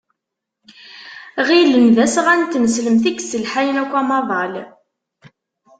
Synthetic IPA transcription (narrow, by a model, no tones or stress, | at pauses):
ʁilːənðæsʁænt̪ːnəsləmθikːsəlħajnækʷːæmɑðˤɑl